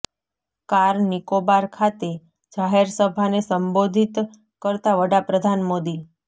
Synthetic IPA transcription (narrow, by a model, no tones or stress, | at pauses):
kaɾnikobaɾkʰat̪e | d͡ʒaɦeɾsəbʱanesəmbod̪ʱit̪ | kəɾt̪aʋəɽapɾəd̪ʱanmod̪i